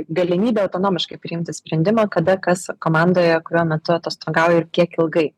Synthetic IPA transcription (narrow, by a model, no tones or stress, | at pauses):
ɡɐlʲɪmʲiːbʲɛɐʊt̪oːnoːmʲɪʃkɐɪpʲɾʲɪɪmʲt̪ʲɪsʲpʲɾʲɛnʲd̪ʲɪmoːkɐd̪ɐkɐskoːmɑnd̪oːjɛkʊɾʲuːmʲɛt̪ʊɐt̪oːst̪oːɡɑːʊjɛɪɾkʲiɛkɪlˠɡɐɪ